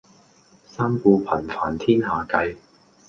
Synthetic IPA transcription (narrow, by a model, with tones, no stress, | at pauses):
saː˥mkuː˧pʰɐ˨˩nfaː˨˩nt̪ʰiː˥nɦaː˨˩kɐ˧j